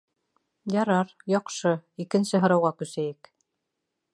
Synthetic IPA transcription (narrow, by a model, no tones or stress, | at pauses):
jɑɾɑɾjɑqʃɤikɘ̆nsɘɦɤ̆ɾɑwʁɑkʉsæjɘk